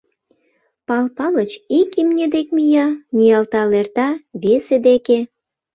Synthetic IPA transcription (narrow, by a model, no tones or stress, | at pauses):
pɑlpɑlət͡ɕikimnʲed̪ekmijɑnʲijɑlt̪ɑlert̪ɑβesed̪eke